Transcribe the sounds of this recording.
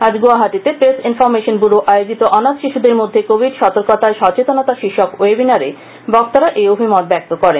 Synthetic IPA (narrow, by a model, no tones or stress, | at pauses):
ad͡ʑɡoaɦat̪it̪epɾesinfɔɾmeʃonbuɾuʔaeod͡ʑit̪oʔɔnat̪ʃiʃud̪eɾmod̪ʱːekobʱiɖʃɔt̪oɾkot̪aeʃɔt͡ɕet̪onot̪aʃiʃokebinaɾe | bɔk̚t̪aɾaʔeobʱimɔt̪̚bɛk̚t̪okɔɾen